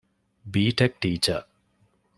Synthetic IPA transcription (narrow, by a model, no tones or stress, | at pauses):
biːʈek̚ʈiːt͡ʃɐ